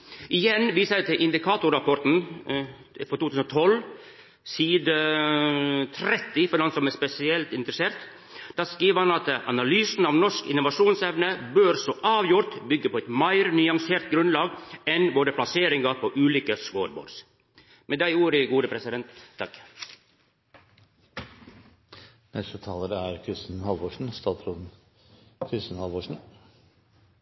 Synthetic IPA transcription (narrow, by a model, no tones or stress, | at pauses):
ʔɪjɛnʋiːsəɛt̪ʰɪlʔɪnd̪ɪkʰɑːt̪ʊɾɾɑpɔɾt̪n̩ | fɔɾt̪uːt̪ʉsn̩ɔt̪ʰɔl | siːd̪ə | t̪ʰɾɛt̪ːɪfɔd̪ɛnsɔmɛspɛsɪɛlt̪ɪnt̪ɾəseːɾt̪ | d̪ɑːskɾiːʋəɾhɑnɑt̪ʔɑnɑlyːsn̩ɑʋnɔʂkɪ̰nːʊʋɑʂuːnsɛʋnəbøːɾsɔʔɑːʋjʊɾt̪bʏɡːəpʰɔɛɪt̪mæɪɾnʏɑŋseːɾt̪ɡɾʉnlɑːɡɛnboːɾəpʰlɑseːɾɪŋɡɑpʰoːʔʉːliːkəsʋoːɾbo̰ːɾs | meːd̪æɪuːɾɪɡuːd̪əpʰɾɛsɪd̪ɛnt̪ʰːɑk | nɛst̪ət̪ʰɑːləɾæɾkʰɾɪst̪nhɑlʋoːʂɳ̩st̪ɑːt̪ɾuːd̪n̩ | kʰɾɪst̪n̩hɑlʋoːʂɳ̩